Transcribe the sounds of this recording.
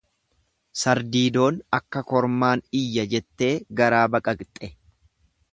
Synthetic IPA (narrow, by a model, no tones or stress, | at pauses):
sɐɾd̪iːd̪o̞ːnɐkːɐkɔɾmaːnɪjːɐd͡ʒɛt̪ːe̞ːɡɐɾaːbɐkʼɐkt̪ʼːɛ